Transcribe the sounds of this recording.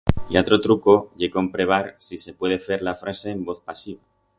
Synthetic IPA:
ḭat̪ɾot̪ɾuko̞ʝekoempɾe̞β̞aɾsise̞pwe̞ð̞e̞fe̞ɾlafɾase̞ːmbo̞θpasiβa

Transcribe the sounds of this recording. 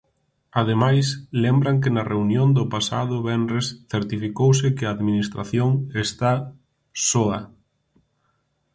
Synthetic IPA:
að̞emajslɛmbɾaŋkɪnɐreunjond̪ʊpasa̰ðʊβɛnɾesθeɾt̪ifikowsɪkɪaːðminist̪ɾaθjoŋest̪a | sɔɐ

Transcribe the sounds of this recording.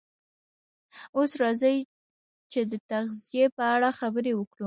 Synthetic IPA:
osɾɑzəj | t͡ʃed̪ət̪aɣzijepəaɽaxabəɾewəkɽu

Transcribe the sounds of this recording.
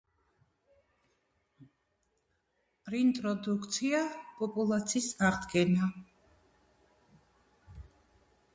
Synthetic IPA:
ɾint̪ʼɾɔd̪ukʰt̪sʰiapʼɔpʼulˠat̪sʰiːsaʁd̪ɡɛna

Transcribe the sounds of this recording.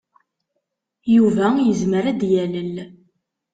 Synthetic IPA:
juvæjəzməɾæd̪jæləl

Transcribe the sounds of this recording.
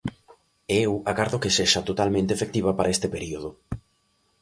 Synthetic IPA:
ewakaɾðokeseʃat̪ot̪almẽnt̪efek̚t̪iβapaɾʔaest̪epeɾioð̞ʊ

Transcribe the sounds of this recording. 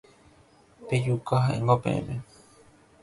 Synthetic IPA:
pejukaɦaʔḛ̃ŋɡopḛ̃ʔḛ̃mẽ

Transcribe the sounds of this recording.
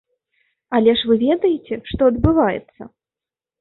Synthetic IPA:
ɐlʲɛʂvɨvʲɛd̪ɐjet͡sʲɛʂt̪ɔɐd̪bɨvajɛ̰t̪sːɐ̰

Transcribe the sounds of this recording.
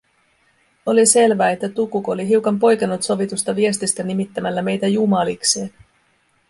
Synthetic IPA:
o̞lise̞lʋæːe̞t̪ːæt̪ukuko̞liɦiwkɑmpo̞jkenːut̪so̞ʋit̪ust̪ɑʋie̞st̪ist̪ænimit̪ːæmælːæme̞jt̪æjumɑlikse̞ːn

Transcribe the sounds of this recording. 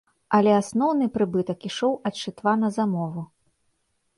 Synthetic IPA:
ɐlʲɛasnɔwnɨpɾɨbɨt̪ɐkiʂɔwʔɐt̪t͡ʂɨt̪vanɐzamɔvu

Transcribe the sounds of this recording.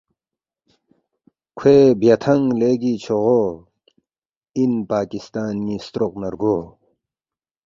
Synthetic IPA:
kʰeːbjɐt̪ʰɐŋɡleːɡit͡ɕʰoʁo | inpaːkist̪aːnmist̪ɾoqnɐɾɡoː

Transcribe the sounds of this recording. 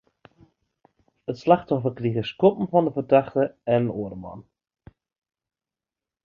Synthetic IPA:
ətslaxtɔfəkriɣəskɔpm̩fɔndəfərdaxtəɛnənoədəmɔ̰n

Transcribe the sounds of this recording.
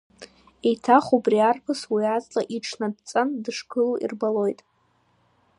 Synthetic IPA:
ejtʰaχubriarpʰɨswiat͡sʼlʼa̰ʔiʈ͡ʂʰnadt͡sʼandɨʂkʰɨluʔḭrbalo̞jtʼ

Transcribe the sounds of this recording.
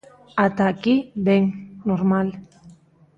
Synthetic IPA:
at̪akibeŋnoɾmal

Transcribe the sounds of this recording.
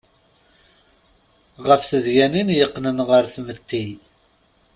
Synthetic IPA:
ʁəfθəðʝæninjəqːnənʁəɾθmət̪ːi

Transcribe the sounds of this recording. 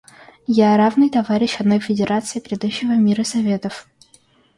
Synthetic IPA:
jaɾavnɨjt̪ɐvaɾʲɪɕɐd̪no̞jfʲɪdʲɪɾʔat̪sɨɪpɾʲɪd̪uɕːɪvəmʲiɾəsɐvʲe̞t̪əf

